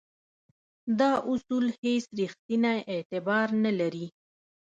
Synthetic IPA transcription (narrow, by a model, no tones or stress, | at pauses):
d̪ɑʔʊsulhesɾixt̪inajʔet̪ɪbɑɾnalaɾi